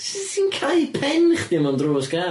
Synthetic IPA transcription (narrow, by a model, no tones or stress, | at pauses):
ssiːnkʰajpʰɛnχd̥ɪmɔndroːsɡ̥a